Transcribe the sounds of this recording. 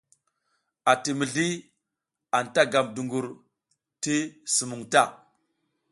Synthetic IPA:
a˨ti˨mi˨ɮi˦ | a˨nta˦ɡa˨mdu˨ŋɡu˨ɾ | ti˦su˨mu˨ŋta˦˨

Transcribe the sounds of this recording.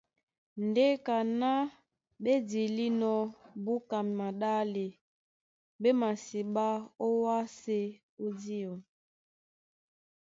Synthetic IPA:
n˨de˦ka˨na˦ | ɓe˦di˨li˦nɔ˦bu˦ka˨m˨ma˨ɗa˦le˨ | be˦ma˨si˨ɓa˦o˦wa˦se˦ | o˦di˦ɔ˨

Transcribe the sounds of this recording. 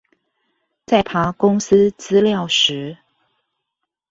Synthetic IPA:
t͡sa˥˩ɪpʰa˧˥kʊ˥ŋs̩˥t͡sɹ̩˥ljɑ˥˨˩ʊʂɻ̩˧˥˦

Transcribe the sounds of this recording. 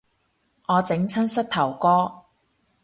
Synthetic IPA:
ŋɔː˨˧t͡sɪ˨˥ŋt͡sʰɐ˥nsɐ˥t̚t̪ʰɐ˨˩wkɔː˥

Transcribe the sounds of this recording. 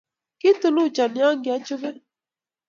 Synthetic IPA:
ki˦tʊ˨lu˦˨t͡ʃa˨ni˨˦a˦ŋ˦ɡɪ˨a˦t͡ʃo˦βe˦

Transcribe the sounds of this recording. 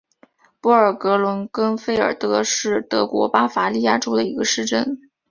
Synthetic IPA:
pu˥˩ə˞˨˩kɤ˧˥lwə˧˥nkə˥nfe˥ɪə̰˞˨˩t̪ɤ˧˥ʂɻ̩˥˩t̪ɤ˧˥kwɔ̰˧˥pa˥fa˧˥li˥˧ja˥˩ʈ͡ʂo˥ʊd̪ə˨i˧˥ɡə˧ʂɻ̩˥˧ʈ͡ʂə˥˩n

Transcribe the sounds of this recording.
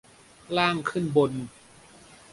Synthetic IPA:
laː˥˩ŋkʰɯ˥˩˨nbo˧n

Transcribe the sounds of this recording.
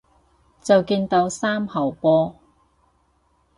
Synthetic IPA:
t͡sɐ˨wkiː˧nt̪o˧wsaː˥mhɐ˨˩wpɔː˧˥

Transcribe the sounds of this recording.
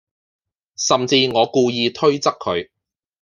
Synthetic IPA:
sɐ˨mt͡siː˧ŋɔː˨˧kuː˧jiː˧t̪ʰɵ˥ɥt͡sɐ˥kʰːɵ˨˧ɥ

